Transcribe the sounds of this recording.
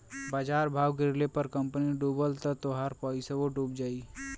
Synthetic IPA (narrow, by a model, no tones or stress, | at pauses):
baːd͡ʒaːɾbʱaːwɡɪɾlepəɾkəmpəniɖuːbəlt̪ət̪oɦaːɾpəːiseʋoɖuːp̚d͡ʒaːi